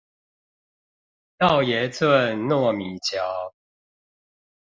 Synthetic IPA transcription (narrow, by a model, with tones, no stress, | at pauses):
t̪a˥˨ʊjɛ˨˦t͡swə˥˨nnɔ˥˨mi˨˩˦t͡ɕja˨˦ʊ